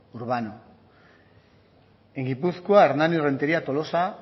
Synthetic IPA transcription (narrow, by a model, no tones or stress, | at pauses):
uɾβano | eŋɡipuskoaeɾnanire̞nt̪eɾiat̪o̞lo̞sa